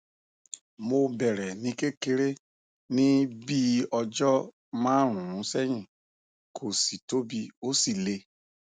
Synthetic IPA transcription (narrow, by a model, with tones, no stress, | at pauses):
mo˧bɛ˨ɾɛ˨nĩ˧ke˦ke˧ɾe˦ | nĩ˦bi˦ɔ˧d͡ʒɔ˦ | mãː˦ɾ̃ũ˨ɾũ˨˦sɛ˦ɲĩ˦˨ | kʰo˨si˨to˦bi˧o˦si˦˨le˧